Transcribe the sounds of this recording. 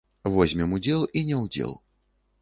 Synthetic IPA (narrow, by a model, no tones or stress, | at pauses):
vɔzʲmʲɛmud͡zʲɛlˠinʲɛwd͡zʲɛ̰lˠ